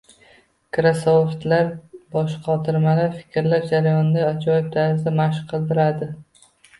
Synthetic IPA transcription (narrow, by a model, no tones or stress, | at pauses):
kɾasoft̪laɾbɒʃqʰɒt̪ʰɪɾmalaɾfɪ̥kʲɾlaɾd͡ʒaɾajɒnɪd̪aːt͡ʃʰɒjɪb̚t̪ʰazd̪amaʃqʰɨlˠd̪ɪɾad̪ɪ